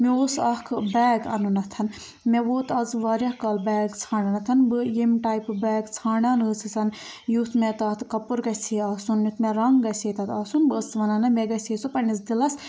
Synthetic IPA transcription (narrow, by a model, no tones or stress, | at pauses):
mioːsɐkʰbɛːɡɐ̰nunɐt̪ʰɐn | mʲeʋoːt̪ɐzʋaːɾʲjɐhkɐlbɛːɡt͡sʰaːɳanɐt̪ʰɐnbɨjimʲʈaːjpbɛːɡt͡sʰaːɳaːnɨːsʰɨt͡sʰɐn | jut̪ʰmet̪aːt̪kɐpuɾɡɐsʰiɐːsunjʲut̪meɾɐŋɡɡɐseːt̪ɐt̪ɐːsunbɨːsʋɐnaːnɐmeɡɐsʲeːsupɐnis̬d̪ilɐs